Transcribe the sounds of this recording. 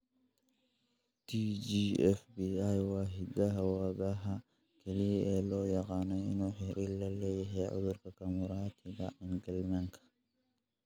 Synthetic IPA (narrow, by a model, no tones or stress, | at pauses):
t̪ʰiːd͡ʒiɛfbiːajwaːɦɪdɐɦɐwaːbɐɦɐ | kʰɛliʔɛːlɔːjɐqɑːnɛɪnuːħɪɾilɐlɛːjɛɦɛːʕʊ̰ðʊɾkʰɐkɐmʊɾaːt̪ʰɪɡɐ̰ɪŋɡɐlmɐŋkʰɐ̥